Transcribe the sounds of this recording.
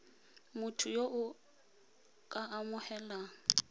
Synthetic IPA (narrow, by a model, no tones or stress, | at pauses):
mʊtʰʊjoʔʊ | kʼaʔamʊhɛlaŋ